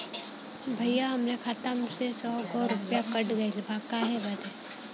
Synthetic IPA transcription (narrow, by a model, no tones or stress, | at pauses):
bʱɐjaɦɐmnekʰat̪əmsesɔːɡoɾʊpjakɐʈɡɐilbʱakaɦɛbɐd̪e